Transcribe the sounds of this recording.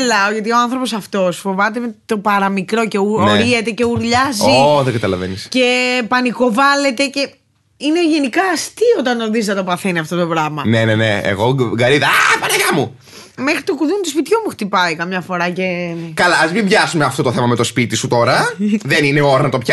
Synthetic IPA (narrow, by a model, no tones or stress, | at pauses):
lɐoʝɐt̪io̞ɐnθɾo̞po̞sɐft̪o̞sfo̞vɐt̪̬et̪o̞pɐɾɐmikɾo̞ceoɾiet̪e̞ce̞uɾʎɐzioðeɡɐt̪ɐlɐvḛnisce̞pɐniko̞vɐle̞t̪e̞ce̞ | ineoʝe̞nikɐːst̪io̞t̪ɐnoðiznɐt̪o̞pɐθeniɐft̪o̞t̪opɾɐmɐneneneḛɣo̞ɡɐɾiðɐapɐɾɐʝɐmu | mexɾit̪okuðunt̪uspit̪çumuxt̪ipɐikɐmɲɐfo̞ɾɐcekɐlɐːzmimbʝɐsumeɐft̪o̞t̪oθemɐmet̪o̞spit̪isut̪o̞ɾɐðenineoɾɐnɐt̪opçɐ